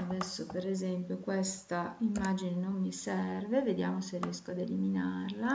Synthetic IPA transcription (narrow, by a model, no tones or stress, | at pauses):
ad̪ɛsːopeɾezɛmpjokwest̪aimːaːd͡ʒinenonːisɛrveved̪ja̰ːmoserːijɛskoad̪eliminarla